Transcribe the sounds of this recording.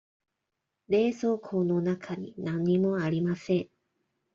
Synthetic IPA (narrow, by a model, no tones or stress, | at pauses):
ɾe̞ːso̞ːkʰoːno̞nakʰaɲ̟inãɲ̟ːimo̞aɾʲimasẽ̞ŋ